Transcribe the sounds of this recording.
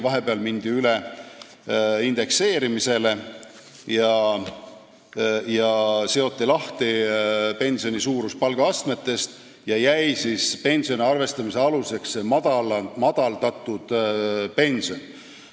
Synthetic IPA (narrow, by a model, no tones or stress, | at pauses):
vɑɦe̞pe̞ɑlmind̪̥iyle | ind̪̥e̞kse̞ːɾimise̞le̞ | jɑ | jɑse̞o̞t̪ːilɑht̪ipe̞nʲsio̞nisuːɾuspɑlɡ̥ɑɑst̪me̞t̪ːˑe̞st̪ | jɑjæjsispe̞nʲsio̞niɑrve̞st̪ɑmise̞ɑluse̞kssemɑd̪ɑlmɑd̪̥ɑlt̪ɑt̪ˑːud̪̥pe̞nʲsio̞n